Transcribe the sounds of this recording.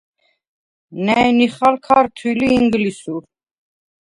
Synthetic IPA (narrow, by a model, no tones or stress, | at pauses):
nɛjniχalkʰaɾt̪ʰiliːŋɡlisuɾ